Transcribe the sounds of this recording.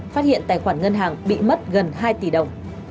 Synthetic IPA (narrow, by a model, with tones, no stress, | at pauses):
faː˦˥t̚hḭ˧˨ənt̪aː˨˩jxwaː˧˩nŋə˧nɦaː˨˩ŋɓḭ˧˨mə˦˥t̚ɣə˨˩nɦaː˧jt̪i˧˩ɗə̰˧˨wŋ͡m